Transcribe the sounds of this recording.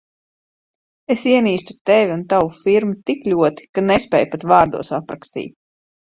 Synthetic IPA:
esiɛniːst̪u̥t̪ɛvʲiunt̪awufiɾmut̪iklʲuɔt̪i̥kanespʲɛːjpat̪vaːɾd̪ṵɔsapɾakst̪ḭːt̪̚ʲ

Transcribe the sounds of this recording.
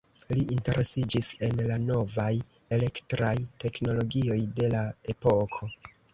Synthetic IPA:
liʔinte̞ɾʔe̞sid͡ʒise̞nlano̞vaj | e̞le̞ktɾajte̞kno̞lo̞ɡio̞jde̞lae̞po̞kʰo̞

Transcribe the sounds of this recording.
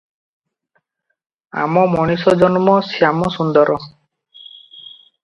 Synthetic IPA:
a̰mɔmɔɽ̃isɔd͡ʒɔnmɔsiamɔsund̪ɔɾʔɔ

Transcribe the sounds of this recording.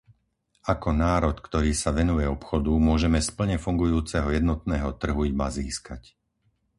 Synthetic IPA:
akɔnaːɾɔt̪kt̪ɔɾiːsaʋɛnujɛɔpxɔd̪umʊɔʒɛmɛspl̩ɲɛfuŋɡujuːt͡sɛɦɔjɛd̪nɔt̪nɛːɦɔt̪r̩ɦuimaziːskac

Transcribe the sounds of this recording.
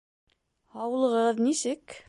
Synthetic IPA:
ɑwlˠɤ̆ʁɤðnisɘk

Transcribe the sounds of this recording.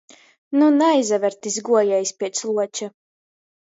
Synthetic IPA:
nunajzavʲɛɾt̪izɡuɔjɛjsʲpʲiɛt̪slˠuɔt͡ʃa

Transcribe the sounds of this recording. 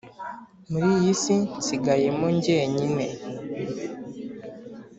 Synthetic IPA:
muɾijisinsiɡajemoɲɟeɲine

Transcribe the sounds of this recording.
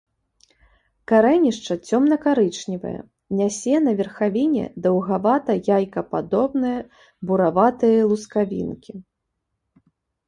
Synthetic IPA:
kaɾɛnʲiʂt͡ʂɐt͡sʲɔmnɐkaɾɨt͡ʂnʲivɐ̰jɛ̰ | nʲasʲɛnɐvʲɛrxavʲinʲɛ̰d̪ɐwɣavat̪ɐjajkɐpad̪ɔbnɨjɐ | buɾavat̪ɨjɐlˠuskavʲḭnkʲi

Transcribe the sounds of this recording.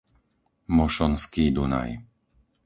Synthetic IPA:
mɔʃɔnskiːd̪una̰j

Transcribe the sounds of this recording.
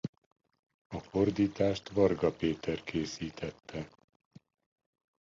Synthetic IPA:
ɒford̪iːt̪aːʃt̪vɒrɡɒpeːt̪ɛrkʰeːsiːt̪ʰɛt̪ʰːɛ

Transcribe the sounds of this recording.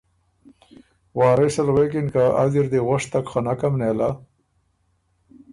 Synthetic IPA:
wɑːɾesalwekinkaa̰ziɾd̪eʁʊʂt̪akχanakamneːla

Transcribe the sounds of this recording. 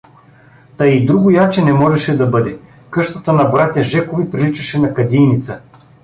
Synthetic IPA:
t̪ɐid̪ɾuɡʊjat͡ʃɛnɛmɔʒɛʃɛd̪ɐbɤd̪ɛ | kɤʃt̪ət̪ənɐbɾat̪ʲjɐʒɛkovipɾilit͡ʃɐʃɛnɐkɐd̪ijnit̪sə

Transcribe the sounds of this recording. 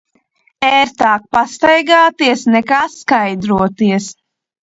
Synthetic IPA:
ɛːɾt̪aːk̚past̪ajɡaːt̪iɛsnɛkaːskajd̪ɾuɔt̪iɛs

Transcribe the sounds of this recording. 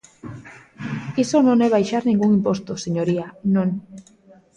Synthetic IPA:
kisonõŋɛβ̞ajʃaɾnĩŋɡuŋimpost̪oseɲoɾianõŋ

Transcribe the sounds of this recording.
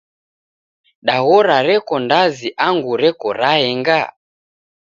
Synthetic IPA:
ɗaɣɔɾaɾɛkɔndaziʔaŋɡuɾɛkɔɾaɛŋɡa

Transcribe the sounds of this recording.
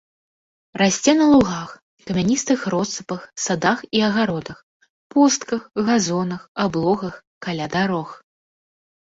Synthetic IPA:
ɾasʲt͡sʲɛnɐlˠuɣax | kɐmʲanʲist̪ɨxɾɔt̪sɨpɐxsad̪axiɐɣaɾɔd̪ɐx | pɔst̪kɐxɣazɔnɐxablˠɔɣɐx | kalʲad̪aɾɔx

